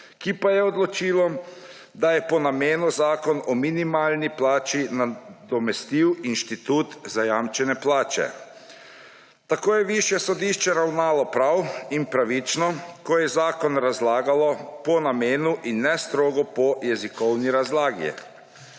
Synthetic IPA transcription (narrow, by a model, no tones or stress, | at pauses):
kipajɛɔd̪lɔt͡ʃiːlɔ | d̪ajɛpɔnameːnuzaːkɔnɔminimaːlniplaːt͡ʃinad̪ɔmɛst̪iwinʃt̪it̪uːt̪zajamt͡ʃɛnɛplaːt͡ʃɛ̰ | t̪akoːjɛʋiʃjɛsɔd̪iʃt͡ʃɛɾawnaːlɔpɾawinpɾaʋit͡ʃnɔkɔjɛzaːkɔnɾazlaːɡalɔpɔnameːnuʔinːɛst̪ɾoːɡɔpɔjɛzikɔwniɾazlaːɡjɛ̰